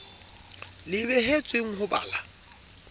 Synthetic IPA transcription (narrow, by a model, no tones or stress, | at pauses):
lɪbɛɦet͡sʼweŋ̩ɦʊba̰ːla